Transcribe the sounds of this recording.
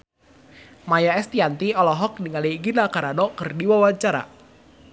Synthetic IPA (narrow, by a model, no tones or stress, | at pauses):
majaɛst̪iant̪iɔlɔɦɔk̚diŋaliɡinakaɾanɔkərdiwawaɲt͡ʃaɾa̰